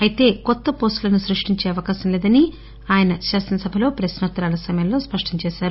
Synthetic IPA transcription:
ɐjit̪e̞ːkɔt̪ːɐpo̞ːsʈlɐnusɾuʂʈiɲt͡ʃe̞ːɐʋɐkaːʃɐmleːd̪ɐni | aːjɐnɐʃaːsɐnɐsɐbʱɐlo̞ːpɾɐsnɐt̪ːɐɾaːlɐsɐmɐjɐmlo̞ːspɐʂʈɐɲt͡ʃɛːʃaːɾu

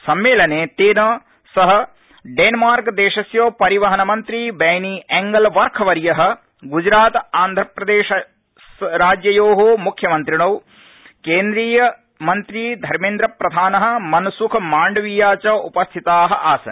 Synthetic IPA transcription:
sɐmːeːlɐneːt̪eːnɐ | sɐɦɐ̆ | ɖeːnmaːɾkd̪eːʃɐsjoːpɐɾiʋɐɦɐnɐmɐnt̪ɾibɛːniʔɛŋɡɐlʋɐɾkʰɐʋɐɾjɐɦɐ̆ | ɡud͡ʒɾaːt̪aːnd̪ʱɾɐpɾɐd̪eːʃɐ | sɾaːd͡ʒjɐjoːɦomukʰjɐmɐnt̪ɾiɳɐw | keːnd̪ɾiːjɐ | mɐnt̪ɾiːd̪ʱɐɾmeːnd̪ɾɐpɾɐd̪ʱaːnɐɦɐ̆mɐnɐsukʰmaːɳɖɐʋijaːt͡ʃɐupɐst̪ʰit̪aːɦɐ̆ʔaːsɐ̰n

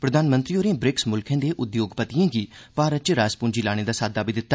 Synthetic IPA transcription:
pɾəd̪aːnmə̃nt̪ɾiːoːɾẽːbɾɪksmʊlkʰẽːd̪eːʔʊd̪joːɡpət̪ijãːɡiːpaːɾətːt͡ʃɾaːspʊnd͡ʒiːlaːɽ̃eːd̪aːsaːd̪aːbiːd̪ɪt̪ːaː

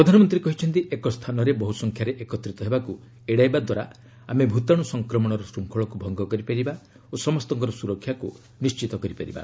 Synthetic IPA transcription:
pɾɔd̪ʱanɔmɔnt̪ɾiekɔɦit͡ʃʰɔnt̪iʔekɔst̪ʰanɔɾebɔɦusɔŋkʰjaɾeʔekɔt̪ɾit̪ɔɦebaku | eɽajbad̪waɾa̰ | amebʱut̪aɽ̃usɔŋkɾɔmɔɽ̃ɔɾɔsɾuŋkʰɔɭɔkubʱɔŋɡɔkɔɾipeɾiba | osɔmɔst̪ɔŋkɔɾɔsuɾɔkʰːjaku | nist͡ʃit̪ɔkɔɾipaɾḭba̰

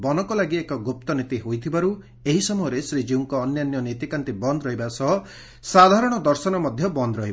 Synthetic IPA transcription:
bɔnɔkɔlaɡiekɔɡup̚t̪ɔnit̪iɦojt̪ʰibaɾu | eɦisɔmɔjɔɾesɾid͡ʒiwŋkɔːnjanjɔnet̪ikant̪ibɔnd̪ɔɾɔɦibasɔɦɔ | sad̪ʱaɾɔɽ̃ɔd̪ɔɾsɔnɔmɔd̪ʱjɔbɔnd̪ɾɔɦib

